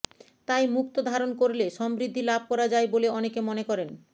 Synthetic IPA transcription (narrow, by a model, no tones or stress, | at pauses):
t̪ajmukt̪od̪ʱaɾonkoɾleʃɔmbɾid̪ʱːilabʱkɔɾad͡ʑaeboleɔnekemɔnekɔɾen